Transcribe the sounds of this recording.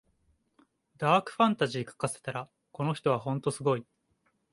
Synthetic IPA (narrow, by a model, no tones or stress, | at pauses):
d̪aːkɯ̟̥ɸãnt̪aʑiːkḁkase̞̥t̪aɾa | ko̞noçi̥t̪oβaɦõ̞nt̪o̞sɨɡo̞i